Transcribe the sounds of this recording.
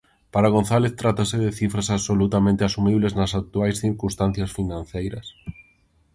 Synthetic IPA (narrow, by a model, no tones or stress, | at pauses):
paɾaɣ̞on̟θaleθt̪ɾat̪asɪðɪθifɾasaβsolut̪amẽnt̪ɪasumiβleznɐsak̚t̪uajsθiɾkũnst̪ãn̟θjɐsfinãn̟θejɾɐs